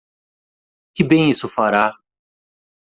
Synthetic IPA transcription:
kɪbẽj̃isʊfaɾa

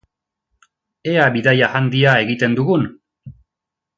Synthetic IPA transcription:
e̞aβiðajahand̪iae̞ɣit̪e̞nd̪uɣun

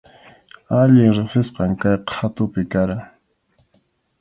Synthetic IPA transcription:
aʎɪŋɾeχsɪsqɑŋkajqat̪ʊpɪkaɾaŋ

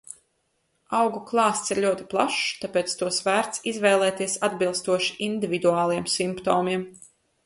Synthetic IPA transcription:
awɡuklˠɑːst̪siɾʎʲuɔt̪i̥plˠa̰ʃt̪apeːt̪st̪uɔsvæːɾt̪sizvɛjlˠɛːt̪iɛsad̪bilˠst̪uɔʃi̥ʔind̪ʲivid̪uɑːlˠijɛmsimpt̪oːmiɛm

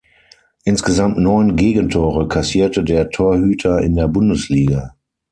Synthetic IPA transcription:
ʔɪnsɡ̥əzamtnɔʏnɡeːɡən̩tʰoːʁəkʰasiːɐtədeːɐtʰoːɐhyːtʰɐɪ̰ndeːɐbʊndəsliːɡa

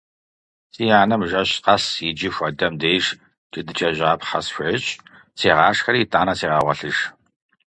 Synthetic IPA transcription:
sʼiːjaːnɐmʒɐɕqɐsid͡ʒɪxʷɐdɐmdeːʒ | t͡ʃʼɨdɨt͡ʃʼɐʑaːpħɐ̰sɕʷɐɕʼ | sʰeːʁaːʂxɐɾiːtʼaːnɐsʰeːʁɑːʁʷɐɬɨʒ

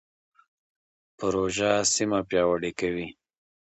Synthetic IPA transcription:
pəɾoʒasimapjɑwaɽikawi

